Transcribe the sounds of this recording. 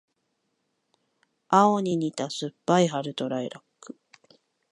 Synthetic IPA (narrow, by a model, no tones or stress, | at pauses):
aoɲ̟iɲit̪asɨpːaiɦaɾɯ̟t̪o̞ɾaiɾakːɯ̥